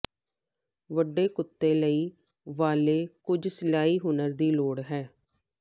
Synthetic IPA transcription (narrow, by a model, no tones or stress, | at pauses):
ʋəɖːeːkʊt̪ːeːləiː | ʋaːleːkʊd͡ʒsɪlaːiːɦʊnəɾd̪iːloːɽɦɛː